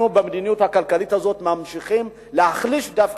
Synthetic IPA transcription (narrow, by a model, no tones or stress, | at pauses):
ubemed̪inijuthakalkalithazo̞t̪meamʃiχim | leaχliʃd̪afk